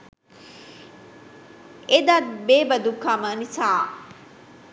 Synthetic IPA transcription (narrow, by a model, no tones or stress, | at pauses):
ed̪at̪beːbɐd̪ukːɐmənisaː